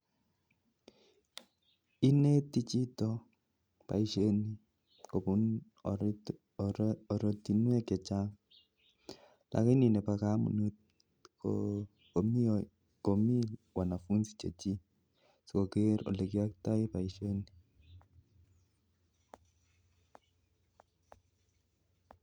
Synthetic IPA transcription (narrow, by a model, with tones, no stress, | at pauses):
i˦ne˦t̪i˦t͡ʃi˦t̪ɔ˦ | pa̰˨iʃe˦ni˦ | ko˨pu˦n | ɔ˨ɾo˨t̪i˨nwe˦kɛ˨t͡ʃa˦ŋ | lʔa̰˨kɛ˦ni˨nɛ˨pa˨ka˦mṵ˨nu˦t̪̚ | ko̰ | ko˨mi˦ | ko˨mi˦wa˨na˨fu˦nsi̥˨t͡ʃe˨t͡ʃi˦ | so˨ko˨ke˦ɾo̰˨le˨ki˦a˦k̚ta˦ɪ˦pa˨iʃe˦ni˦